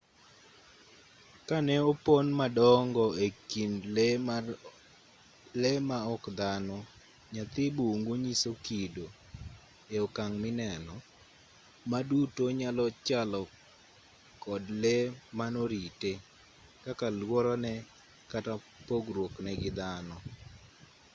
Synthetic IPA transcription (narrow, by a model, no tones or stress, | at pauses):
kanɛoponmadɔŋɡɔekinl | lemaɔkd̪anɔ | ɲat̪ɪbuŋɡoɲisokido | eokaŋmɪnɛnɔ | madutoɲalɔt͡ʃalɔ | kɔdlemanoɾite | kakalwɔɾɔnɛ | kata | poɡrwoknɛɡɪd̪anɔ